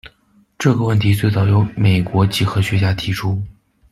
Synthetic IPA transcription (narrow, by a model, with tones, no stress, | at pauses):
ʈ͡ʂɤ˥˩ɡə˩wə˥˩nt̪ʰi˧˥t͡swe˥˧ɪt͡sɑ˥˩ʊjo˧˥ʊme˨˩ɪkwɔ˧˥t͡ɕi˨˩xɤ˧˥ɕɥɛ˧˥t͡ɕja˥t̪ʰi˧˥ʈ͡ʂʰu˥